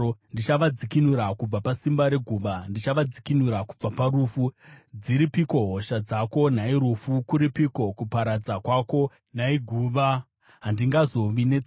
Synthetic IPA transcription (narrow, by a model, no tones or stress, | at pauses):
ndit͡ʃaʋad͡zikinuɾakub͡vapasimbaɾe̞ɡʱuːʋandit͡ʃaʋad͡zikinuɾakub͡vapaɾufud͡ziɾipiko̞ɦoʃad͡zako̞naiɾufukuɾipiko̞kupaɾad͡zakwaːko̞ | naiɡʱuːʋa | ɦandiŋɡazo̞ʋine